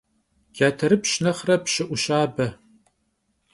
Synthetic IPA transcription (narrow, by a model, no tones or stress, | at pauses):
ɡ̥ʲaːtʰɐɾɨpʃnɐχrɐpʃɪʔʷʊʃaːbɐ